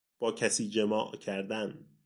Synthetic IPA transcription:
b̥ɒːcʰæsiːd͡ʒemɒːʔcʰæɾd̪æn

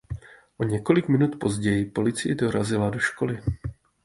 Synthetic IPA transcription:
ʔo̞ɲɛko̞lɪkmɪnut̪po̞zɟɛjɪpo̞lɪt͡sɪjɛdo̞ɾazɪlado̞ʃko̞lɪ

